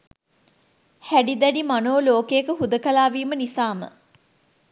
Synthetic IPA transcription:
hæɖid̪æɖimanoːloːkejekəɦud̪əkəlaːʋiːmənisaːmə̰

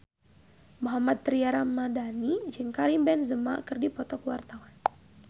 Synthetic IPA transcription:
moɦamat̪̚ːɾiaɾamːadanid͡ʒɨŋkaɾimbɛnzəma̰kərdipɔt̪ɔkəwart̪awan

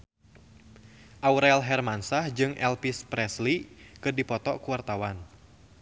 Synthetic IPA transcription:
ʔauɾɛlɦɛrmansahd͡ʒɨŋʔɛlpispɾɛslikɨrdipɔt̪ɔkuart̪awan

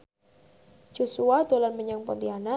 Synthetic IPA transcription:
d͡ʒ̥ɔsuad̪olanməɲaŋpɔ̰nt̪iana

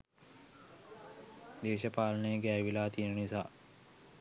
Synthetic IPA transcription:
d̪eːʃəpaːlənejəɡæːjʋilaːt̪ijənənisa̰ː

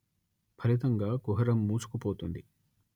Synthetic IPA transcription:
pʰɐɾit̪ɐŋɡaːkuɦɐɾɐmːuːt͡ʃu̥kupoːt̪und̪i

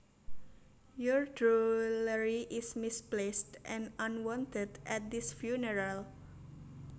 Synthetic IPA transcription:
jɔɹdɹuləɹiʔismisplestʔɛ̃nãnwɔ̃ntədʔɛt̪̚d̪isfjunəɹal

